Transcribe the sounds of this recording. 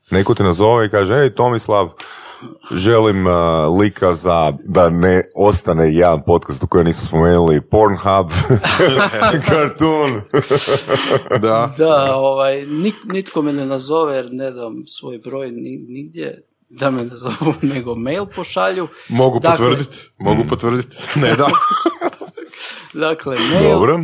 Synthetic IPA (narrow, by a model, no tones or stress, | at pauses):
ne̞kot̪inazo̞ʋeikaːʒeejt̪o̞mislˠaʋ | ʒe̞limlikʰazad̪aneo̞st̪anejed̪anpo̞t̪kast̪u̥kojaniːsu̥spomenulipoɾnxab | kʰaɾt̪un | d̪ad̪aoʋajniknit̪komenenazo̞ʋejeɾned̪amsʋo̞jbɾojniniɡd̪jḛ | d̪amenazoʋuneɡomejlˠpoʃaʎumoɡupd̪oʋr̩dd̪it̪moɡupot̪ʋr̩d̪it̪ned̪a | d̪aklemed̪obɾo